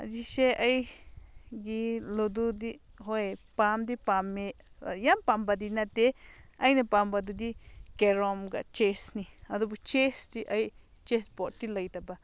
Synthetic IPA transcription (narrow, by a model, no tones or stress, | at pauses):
a̰d͡ʒiʃeʔaj | ɡilud̪ud̪i | hoepamd̪ipamẽ | a̰jãmpambad̪inãt̪eajnãpambad̪ud̪ikeɾomɡa̰t͡ʃesnĩad̪ubut͡ʃest̪iʔai | t͡ʃespot̪ilajt̪apa